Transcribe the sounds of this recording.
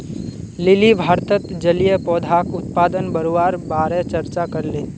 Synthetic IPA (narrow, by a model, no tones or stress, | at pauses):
lɪlibʱaːɾt̪ət̪d͡ʒəlijepɔːd̪ʱaːkʊt̪̚paːd̪ənbəɾowaːɾbaːɾet͡ʃəɾt͡ʃakəɾleː